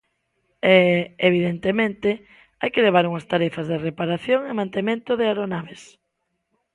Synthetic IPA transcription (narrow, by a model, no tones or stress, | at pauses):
ɛeβ̞iðent̪emẽnt̪e | ajkeleβ̞aɾuŋast̪aɾɛfazðerepaɾaθjoŋemãnt̪emẽnt̪oðeaɾonaβes